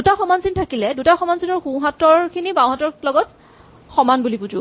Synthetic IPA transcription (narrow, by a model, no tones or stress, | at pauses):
dutaxɔmansintʰakilɛdutaxɔmansinɔɹxũɦatɔɹkʰinibãw̃ɦatɔɹlɔɡɔt | xɔmanbulipud͡ʒʊ̰